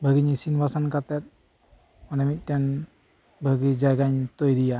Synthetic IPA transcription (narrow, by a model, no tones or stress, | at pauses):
bʱəɡiɲisinbasankat̪ɛt̪̚ | ɔnamit̪̚ˀʈɛn | bʱəɡid͡ʒajɡaɲt̪ojɾija